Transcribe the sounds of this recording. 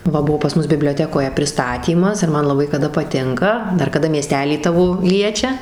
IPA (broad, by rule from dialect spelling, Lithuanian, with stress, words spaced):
ˈʋɐ ˈbuɔ pɐs ˈmʊs bʲɪbʲlʲoːˈtʲæːkoːjɛ pʲrʲɪˈstɑːtʲiːmɐs ɪr ˈmɐn lˠɐˈbɐɪ kɐˈdɐ pɐˈtʲɪŋkɐ ˈdɐr kɐˈdɐ mʲiɛˈsʲtʲæːlʲiː ˈtɑːʋoː ˈlʲiɛt͡ʃʲɛ